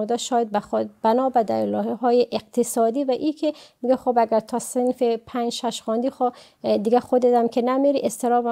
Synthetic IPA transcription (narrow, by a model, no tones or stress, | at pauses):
d̪æʃɒːjad̪̚bæxbænɒːbæd̪ælɒːhehɒːjeʔeq̚t̪ʰesɒd̪iːvæʔiːkʰemiɡɛxobæɡæɾt̪ʰɒsenfepʰænd͡ʒʃæʃxɑnd̪ixo | d̪iɡæxod̪et̪æmkʲʰenæmiɾiʔest̪ʰeɾɒːbæ